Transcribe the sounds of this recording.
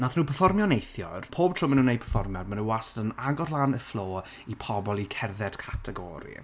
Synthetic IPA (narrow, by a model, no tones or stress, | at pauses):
naθnuːpʰəfɔrmjɔnejθjɔ̰rpʰoːb̥̚tʰr̥ʊmənuːnej̚pʰəfɔrmjɔdmanuwastənaɡɔrlˠaːnəflˠoː | ipʰɔbɔlˠikʰɛrðɛd̥kʰatʰɛɡɔ̰ːɾḭ